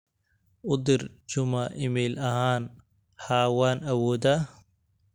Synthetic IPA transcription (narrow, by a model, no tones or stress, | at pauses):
ʊd̪ɪrt͡ʃʊmɐʔɪmɛjlɐhaːn | haːwaːnɐwɔːd̪ɐ